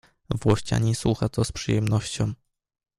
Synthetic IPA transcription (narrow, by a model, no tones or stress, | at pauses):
vwɔɕt͡ɕa̰ɲiswuxat̪ɔspʂɨjɛmnɔɕt͡ɕɔ̃w̃